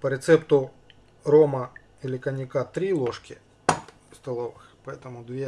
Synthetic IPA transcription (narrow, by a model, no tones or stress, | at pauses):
pɐɾʲet̪sɛpt̪ʊ | ɾɔmɐ | ilʲɪkɐnʲɪkat̪ɾʲilˠɔʂkʲɪ | st̪ɐlˠɔʋɪxpɐɛt̪ɐmʊd̪ʋʲɛ